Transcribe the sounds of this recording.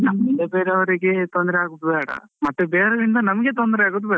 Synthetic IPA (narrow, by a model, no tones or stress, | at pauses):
nɐmːɐid̪ɐbeːɾeɐʋɐɾiɡet̪ond̪ɐɾeaːɡut̪ːubɛːɽɐ̰mɐt̪ːebeːɾed̪ind̪ɐnɐmɐɡet̪̬ond̪ɐɾeaːɡut̪̬ːbɛːɐ